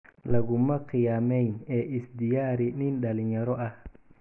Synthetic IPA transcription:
lɐɣʊmɐqɪjaːmɛjnɛːʔɪsd̪ɪjaːɾɪnɪnɗɐlɪɲɐɾɔʔɐh

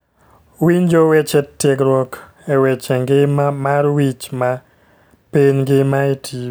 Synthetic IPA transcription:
wiɲd͡ʒowet͡ʃɛtːekɾwɔk | ɛwet͡ʃɛŋɡɪmarwit͡ʃma | piɲɡɪmaetʰi

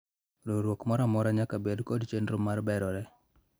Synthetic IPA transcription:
ɾoɾwokmɔɾamɔɾaɲakabedkɔdt͡ʃenɾomarbɛɾɔɾɛ

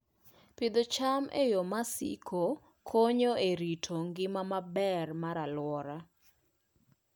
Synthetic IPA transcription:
pɪd̪ot͡ʃamḛjomasḭkʰo | kʰoɲoeɾitʰoŋɡɪmamabɛrmaɾalwɔɾa

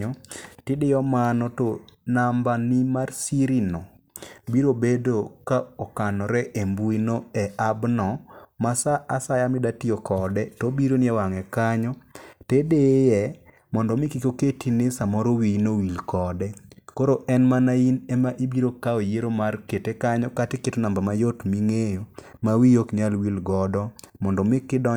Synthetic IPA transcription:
ɔtɪdɪjɔmanɔtonambanɪmarsiɾinɔ | biɾobedokaɔkanɔɾɛʔembuinoɛabnɔmasaʔasajamɪdatijokɔdɛtobiɾonɪɛwaŋɛkaɲɔtedejɛ | mɔndɔmɪkɪkoketinɪsamɔɾowinowilkɔdɛkoɾoʔɛnmanainɛmaʔibiɾokaojeɾomarketekaɲɔkatɪketɔnambamajotmiŋejomawijokɲalwilɡɔdɔmɔndɔmɪkɪdɔ

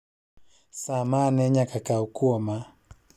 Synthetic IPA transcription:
samanɛɲakakaukuɔma

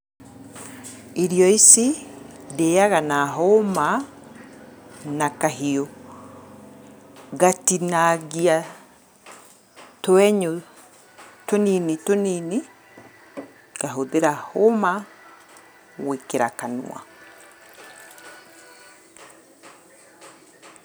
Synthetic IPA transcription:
iɾjɔisi | dejaɣanaɦoma | nakaɦio | ɡatinaɡia | toɛɲo | toninitonini | ɡ̥aɦoðeɾahoma | wekeɾakanṵa̰

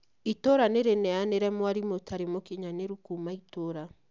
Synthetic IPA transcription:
itoɾaneɾenɛaneɾɛmwaɾimotʰaɾemokiɲaneɾukumaitoɾa

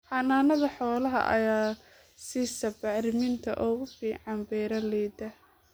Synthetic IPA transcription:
ħɑnaːnɐðɐħɔːlɐɦɐ̰ʔɐ̰jaː | siːsɐbɑʕɾɪmɪnt̪ʰɐ̰ʔɔːɣʊfiːʕɑnbɛːɾɐlɛjd̪ɐ

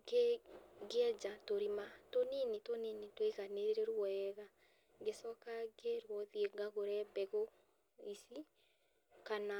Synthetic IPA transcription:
ɡeɡeɛd͡ʒatoɾimatoninetoninetweɣaneɾeɾeɾwɔɛɣa | ɡesɔkaɡeɾwɔðieɡaɣoɾɛbɛɣo | isi | kana

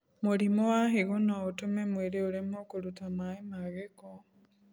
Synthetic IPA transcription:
moɾimowaɦeɣonaotumemweɾeoɾemokoɾutamaemaɣeko

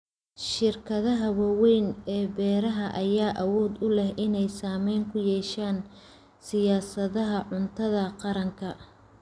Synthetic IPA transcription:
ʃɪrkʰɐðɐɦɐwɑwɛjnɛːbɛːɾɐɦɐʔɐjaːʔɐwɔːd̪ʊlɛhʔɪnɛjsaːmɛjŋkʰʊjɛːʃaːn | sɪjaːsɐðɐɦɐʕʊnt̪ʰɐðɐqɑɾɐŋkʰɐ

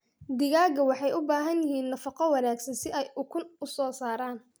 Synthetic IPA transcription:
d̪ɪɣaːɡɐwɑħɑjʔʊbaːɦɐnjɪɦiːnːɐfɑqɔwɑnaːɡsɐnsɪʔɛjʔʊkʰʊnʊsɔːsaːɾaːn

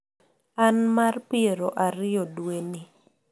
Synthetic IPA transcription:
anmarpɪeɾoʔaɾɪɔdweni

